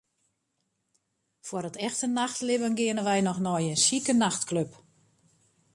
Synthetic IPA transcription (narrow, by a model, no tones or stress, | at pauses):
fwərətɛxtənaxtlɪvənɡɪənəʋɛjnɔxnɔjənsikənaxtkløp